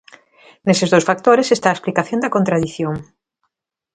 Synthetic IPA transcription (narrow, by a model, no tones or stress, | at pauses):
nesezðowsfak̚t̪oɾesest̪aːesplikaθjõnd̪ɐkont̪ɾaðiθjoŋ